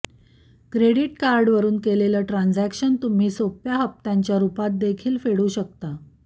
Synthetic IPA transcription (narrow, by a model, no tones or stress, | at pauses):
kɾeɽiʈkaɾɖʋəɾuːnkeleləʈɾãnd͡zækɕənt̪um̤iːsopjaɦəp̚t̪ãɲt͡ɕjaɾupat̪̚d̪ekʰiːlfeɽuːɕək̚t̪a